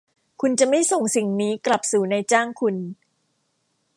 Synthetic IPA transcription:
kʰu˧nt͡ɕa˨˩ma˥˩jso˨˩ŋsi˨˩ŋniː˦˥kla˨˩p̚suː˨˩˦na˧jt͡ɕaː˥˩ŋkʰu˧n

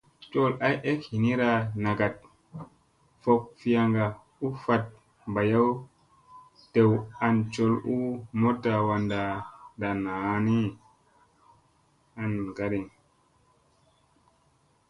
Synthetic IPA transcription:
t͡ʃo˦la˦je˦khi˨ni˦ɾa˨na˨ɡa˨t̚ | fo˨k̚fi˦ja˧ŋɡa˨ | u˦fa˨t̚ | mba˨ja˦w | te˨wa˨nt͡ʃo˦˨lu˦mo˦tːa˨wa˨nda˨da˨na˨˦ni˦ | a˨nɡa˨ɗi˨ŋ

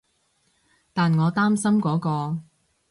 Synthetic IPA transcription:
t̪aː˨nŋɔː˨˧t̪aː˥msɐ˥mkɔː˨˥kɔː˧

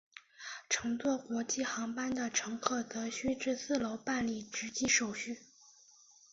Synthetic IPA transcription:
ʈ͡ʂʰɤ˧˥ŋt͡swɔ˥˩kwɔ˧˥t͡ɕi˥˩xɑ˧˥ŋpa˥nd̪ə˨ʈ͡ʂʰɤ˧˥ŋkʰɤ˥˩t͡sɤ˧˥ɕy˥ʈ͡ʂɻ̩˥˧sɹ̩˥˩lo˧˥ʊpa˥˧nli˥˩ʈ͡ʂɻ̩˧˥t͡ɕi˥ʂo˨˩ʊɕy˥˩

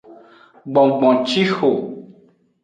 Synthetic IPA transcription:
ɡ͡bɔ̃˨ɡ͡bɔ̃˨t͡ʃi˦xo˨

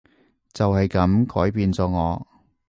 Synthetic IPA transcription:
t͡sɐ˨whɐ˨jkɐ˨˥mkʰɔː˨˥jpiː˨nt͡sɔː˨˧ŋɔː˨˧

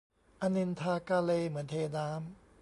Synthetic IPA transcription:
ʔa˧ni˧nt̪ʰaː˧kaː˧le˧˨mɯ˩˦əntʰeː˧naː˦m

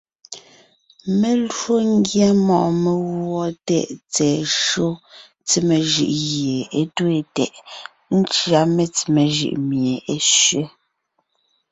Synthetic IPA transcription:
me˨lo˦ŋ˦ɡja˦mɔ˨ʔme˨ɣwɔ˦tɛ̰˦˨ʔt͡sɛː˨ʃo˦ | t͡si˦me˨ʒʉ̰˨ʔɣje˨e˦twe˨tɛ˨ʔ | n̩˦t͡ʃɰa˦me˦t͡si˨me˨ʒʉ̰˨ʔmje˨e˦ʃɥe˦

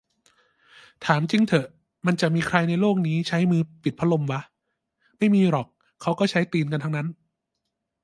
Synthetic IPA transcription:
t̪ʰaː˩˦mt͡ɕi˧ŋt̪ʰɤ˨˩ʔ | ma˧nt͡ɕa˨˩ʔmiː˧kʰɾa˧jna˧jloː˥˩k̚niː˦˥t͡ɕʰa˦˥jmɯː˧pi˨t̪̚pʰa˦˥lo˧mwa˦˥ʔ | ma˥˩jmiː˧ɾɔː˨˩kʰː | a˦˥wkɔː˥˩t͡ɕʰa˦˥jt̪iː˧nka˧nt̪ʰa˥ŋna˦˥n

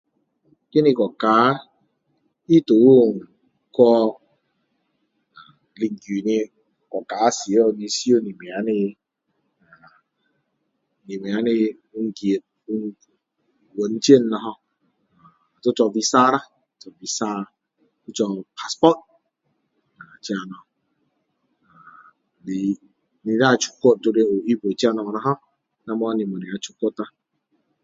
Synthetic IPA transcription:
ke˦ni˧kɔ˨ka˨˦ | i˦to˨˦u˦˨˦ | kɔ˦˧ | a˨ | li˧ŋ˨ɡu˨ni˧˨ | kɔ˨ka˨˦si˨˦o˨ni˧˦si˦o˦ni˨me˨a˨˦ni˧˨ | ni˨me˨a˨˦ni˧ | u˦ŋ̩˦ɡje˨t̚ | wo˨n̩˦t͡ʃe˦˨n˦nɔ˨˦ɦɔ˧˨ | tu˦t͡ʃɔ˨vi˦sa˦ɾa˦ | t͡ʃɔ˨vi˨sa˦˨ | tu˦t͡ʃɔ˨pʰa˦spɔ˦t̚ | na˨t͡ʃi˦a˨nɔ˨ | a˨ | ni˨ | ni˨na˦˨t͡ʃu̥˦ko˦t̚do˦ɾe˦o˨i˦bo˨t͡ʃi˦a˦nɔ˨nɔ˨˦ɦɔ˦ | na˦m˦ɔ˦ni˨mo˨ni˨a˨t͡ʃu˦ko˦ta˦

